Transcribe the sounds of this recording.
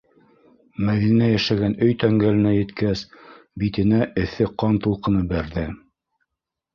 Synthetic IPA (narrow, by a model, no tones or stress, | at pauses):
mæðinæjæʃæɡænɵjt̪æŋɡælɘ̆næjɘ̆t̪kæs | bit̪ɘ̆næʔɘ̆θɘqɑnt̪ulˠqɤ̆nɤbæɾðɘ